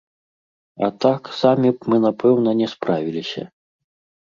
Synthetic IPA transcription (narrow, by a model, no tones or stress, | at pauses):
a̰t̪aksamʲimɨnapɛwn̪ɐnʲɛspɾavʲilʲisʲɐ̰